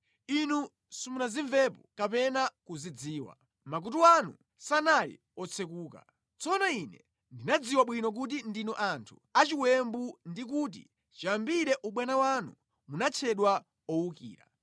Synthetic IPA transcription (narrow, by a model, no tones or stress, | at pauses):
inu | sumulaziɱvɛpɔkapɛnakuzid͡ziːwa̰ | mak̬utuwanṵ | sanalḭ | ɔt͡sʰɛkuːka̰ | t͡sɔnainɛ | ndinad͡ziwaɓwinɔk̬ut̬indinɔʔantʰu̥at͡ʃiwɛmbundikuːt̬ḭ | t͡ʃiambiɾɛʔuɓwanawanu | munat͡ʃʰɛɗwa | ɔwukḭːɾa̰